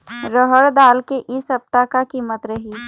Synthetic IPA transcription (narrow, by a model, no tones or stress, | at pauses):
ɾəɦəɾd̪aːlkeʔɪsɦɐp̚t̪akakiːmət̪ɾɐɦi